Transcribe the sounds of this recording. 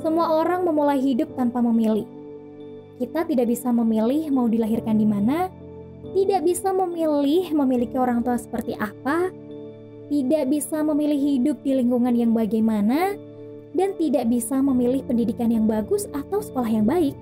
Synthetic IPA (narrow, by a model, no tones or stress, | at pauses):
səmuaoɾaŋməmulajɦidʊp̚t̪anpaməmilɪh | kit̪at̪idaʔbisaməmilɪhmaudilaɦirkandimana | t̪idaʔbisaməmilɪhməmilikioɾaŋt̪uahsə̥pərt̪iʔapa | t̪idaʔbisaməmilɪhːidʊp̚diliŋkuŋanjaŋbaɡajmana | dant̪idaʔbisaməmilɪhpəndidikanjaŋbaɡʊsat̪awsə̥kolahjaŋbaɪk̚